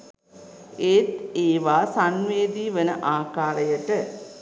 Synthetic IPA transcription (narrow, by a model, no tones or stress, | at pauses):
eːt̪eːʋaːsanʋeːd̪iːʋənəʔaːkaːɾəjəʈə